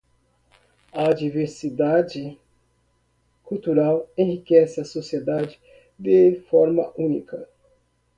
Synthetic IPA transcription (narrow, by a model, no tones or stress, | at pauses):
ɐd͡ʒiveɾsid̪ad͡ʒɪ | kuwt̪uɾawẽhikɛsɪɐsosied̪ad͡ʒɪ | d̪efɔɾmɐũnikɐ